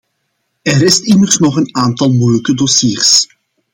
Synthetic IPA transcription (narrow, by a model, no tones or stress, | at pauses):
ɛɾɪstɪmərsnɔχənaːntɑlˠmujləkədɔsiːrs